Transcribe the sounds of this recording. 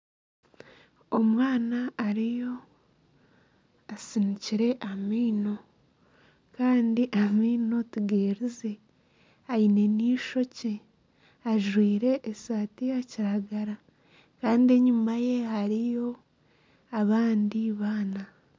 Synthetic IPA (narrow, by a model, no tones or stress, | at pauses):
omwaːnaːɾijo̞ | asiniciɾe̞ʔamiːno̞ | kaːndiʔamiːno̞tuɡeːɾize̞ | aine̞niːʃo̞ce | aʒwiːɾe̞ʔːsaːtijaciɾaɡaɾa | kaːndie̞ɲumaje̞ɦaɾijo̞ | aβaːndiβaːna